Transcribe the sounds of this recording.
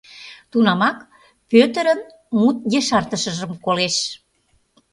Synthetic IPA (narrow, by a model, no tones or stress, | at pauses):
t̪unɑmɑk | pøt̪ə̆ɾən | mut̪̚jeʃɑrt̪əʃə̆ʒəmkoleʃ